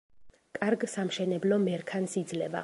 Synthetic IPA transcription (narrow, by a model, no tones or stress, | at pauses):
kʼaɾɡsamʃɛnɛblɔmɛɾkʰansid̪zlɛva̰